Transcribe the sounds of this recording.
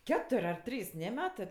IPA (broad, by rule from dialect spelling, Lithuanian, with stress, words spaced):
ˈkʲæːtʊrʲ ɐr ˈtʲrʲiːs ˈnʲɛ ˈmʲæːtɜ